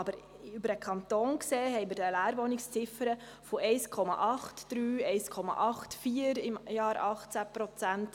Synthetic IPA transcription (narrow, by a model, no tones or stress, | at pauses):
ɑbəɾ | ybəɾəkʰɑnt̪oːnkseːɦɛjmədəlæːɾʋɔnɪkst͡sɪfəɾə | foɛɪskʰɔmɑ̰ʔɑχtd̥ɾyːɛɪjskʰɔmɑ̰ʔɑχtfiəɾɪmjɑːɾɑχt͡sæpɾɔt͡sænt